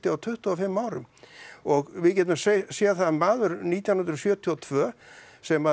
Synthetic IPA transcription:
t̪ɪawt̪ʰʏht̪ɔɔfɪmːaːwɾʏ̰mɔɣvɪðcɛt̪̬ʏmsesɛːaθaðmːaːðʏɾniːt̪jawnʏnɾʏsjœːt̪ʰiɔt̪ʰvœː | sɛmːa

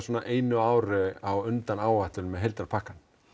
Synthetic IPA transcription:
soːnaʔeːjnʏaːwɾʏawʏnt̪anaːwvaht̪ʏmɛðɦejlt̪ɾaɾpʰahkːan

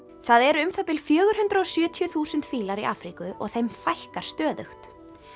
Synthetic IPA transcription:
θaðɛɾʏmθapɪlfjœːɣʏɾ̥ɦʏnt̪ɾaɔsjœːt̪ʰjʏθuːsʏnt̪fiːlaɾiʔa̰fɾikʏʔɔ̰ɣθejmfajhkaɾ̥st̪œːðʏxt̪

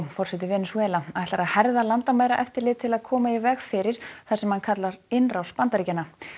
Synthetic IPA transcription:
fɔr̥sɛt̪ɪvɛːnʏsvɛːlaaɛht̪aɾaðhɛɾðalant̪amaːðɾaʔɛft̪ɪɾlɪːðt̪ʰɪlaðkʰɔːmaivɛɣfɪɾɪɾ̥θasɛmhankʰat̪laɾɪnrawspant̪aɾicanːa

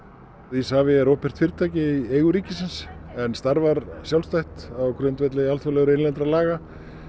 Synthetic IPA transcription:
ðisaːvɪɛɾoːhpɛr̥t̪fɪɾt̪ʰaːjcɪiejɣʏɾiːcɪsɪnsɛnst̪aɾvaɾsjawlst̪ajht̪awkɾʏnt̪vɛt̪lɛalt̪fʏlɛɣʏɾɪnlɛnt̪ɾalaːɣa

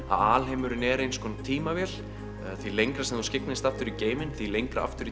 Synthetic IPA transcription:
a̰ðaːlɦejmʏɾʏnɛɾejnskʰɔnat̪ʰiːmavjɛl | θilejŋkɾasɛmθuscɪk̚nɪst̪aft̪ʏɾiceːjmɪnθilejŋkɾa̰a̰ft̪ʏɾi

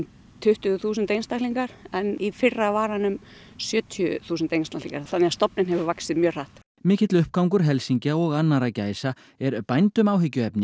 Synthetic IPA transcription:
t̪ʰʏht̪ʏθuːs̬ʏnt̪ejnst̪ahtliŋkaɾ̥ɛnifɪrːavaːɾanʏm | sjœːt̪ʰiʏθuːsʏnt̪ejnst̪aklḭ̃ŋkaɾθanːɛast̪ɔpnɪnɦɛvʏvaksɪðmjœːr̥aht̪ | mɪːcɪt̪lʏhp̚kawŋkʏɾ̥ɦɛlsiɲcaɔɣanːaɾacaːjsa | ɛɾpajnt̪ʏmaːwɦɪcːʏɛpnɪ

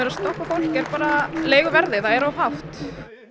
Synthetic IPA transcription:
ɛɾast̪owkafowl̥kɛɾpaːɾaleːjɣʏvɛɾðɪθaɛɾawɦaft̪

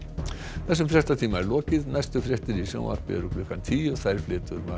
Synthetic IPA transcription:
θɛs̬ʏmfɾjɛ̥t̪at̪ʰiːmaɛɾlɔːcɪðnajst̪ʏfɾjɛht̪ɪɾisjɔ̰w̃a̰ɾ̥pɪ̰ɛ̰ɾʏplʏhkant̪ʰiːɔθajɾflɪːt̪ʏɾma

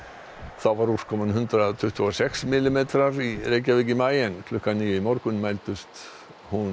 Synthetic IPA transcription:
θawvaɾuskʰɔmanɦʏnt̪ɾat̪ʰʏht̪ʏasɛksmɪlɪmejt̪ɾaɾireːjcavicɪmaːjɛnkʰlʏhkaniːjʏimɔwɾkʏnmajlt̪ʏst̪ | hun

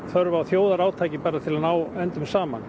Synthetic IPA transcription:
θœɾvawθjoːwðaɾaːwt̪ʰaːjcɪpɛːɾːat̪ʰɪlanaːwɛnt̪ʏmsaːma̰n

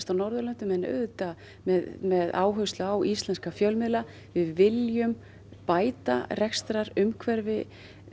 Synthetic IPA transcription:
st̪awnɔɾðʏlœnt̪ʏmɛnœ̰ðt̪a | mɛðmɛðaːwɦœɥst̪laawʔist̪lɛnskafjœlmɪðla | vɪðvɪljʏm | paːjt̪arɛkst̪ɾaɾʏmkʰvɛɾvɪ

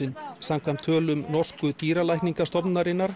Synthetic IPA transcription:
ɪnsamkʰvamt̪ʰːœːlʏmnɔr̥skʏt̪iːɾalajhk̪niŋkast̪ɔpnaɾɪnːaɾ̥

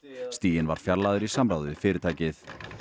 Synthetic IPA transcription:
st̪iːjɪnva̰ɾ̥fjaɾlaðʏɾisamɾaːwðɪfɪːɾɪt̪aːjcɪθ

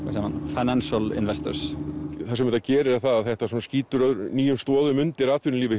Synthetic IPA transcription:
asaːmanfajnanʃalɪ̰nvɛst̪ɔ̰ɾsθasɛmvɛnt̪acɛːɾɪɾaθaðaðθɛht̪asɔnasciːt̪ʏɾœðɾniːjʏmst̪ɔːðʏmʏnt̪ɪɾat̪ʰʏɾɪnliːvɪ

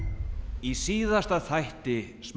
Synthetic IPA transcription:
isiːðast̪aθajht̪ɪ | sm

